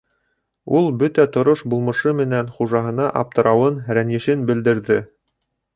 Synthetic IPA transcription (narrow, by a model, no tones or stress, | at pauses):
ulˠbɵt̪æt̪ŏɾoʃbulˠmɤ̆ʃɤmɘ̆nænχuʒɑɦɤ̆nɑʔɑp̚t̪ɤ̆ɾʔɑwɤnɾænjɘ̆ʃɘnbɘ̆ld̪ɘ̆ɾðɘ